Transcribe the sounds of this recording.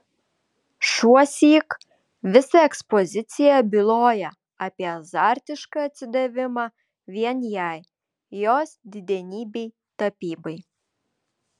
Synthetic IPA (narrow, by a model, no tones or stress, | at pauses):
ʃuɔsʲiːk | ʋʲɪsɐɛkspɔzʲɪt̪sʲɪjɛbʲɪlˠoːjɛ | ɑpʲiɛzɑɾʲt̪ʲɪʃkɐɐt̪ʲsʲɪd̪ɐʋʲɪmɑː | ʋʲiɛnjɛj | joːsd̪ʲɪd̪ʲɛnʲiːbʲej | t̪ɐpʲiːbɐɪ